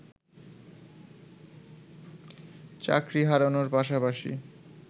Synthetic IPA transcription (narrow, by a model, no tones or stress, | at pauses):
t͡ɕa̰kɾiɦaɾonoɾpaʃapaʃḭ